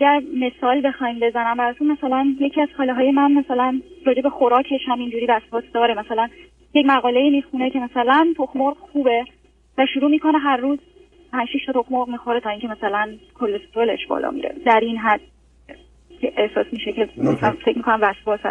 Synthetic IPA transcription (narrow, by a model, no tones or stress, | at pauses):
æɟæɾme̞sɒːlbe̞xɒimbe̞zænæmbæɾɒːt̪ʰunmæsælænje̞cʰiæz̥xɒːleɦɒːjemænmæsælænrɒːd͡ʒebe̞xoɾɒːcʰe̞ʃhæmind͡ʒuːɾiːvæsbɒːt̪ʰd̪ɒːɾemæsælæn | jecmæɣɒːle̞iːmiːxune̞cʰe̞mæsælænt̪ʰoxmoɾɡxuːbe̞ | væʃuɾuːmiːkʰo̞neɦæɾːuːz | pʰænd͡ʒʃiʃt̪ɒt̪ʰoxmoɾʁmiːxoɾet̪ʰɒːiːŋcʰemæsælænkʰolːest̪oole̞̰ʃbɒ̰ːlɒ̰ːmḭɾḛd̪æɾinɦæd̪̥̚ | cʰʲeʔehsɒːsmiʃecʰe̞mæsæfecʰmikʰonæmvæsbɒːsæ̰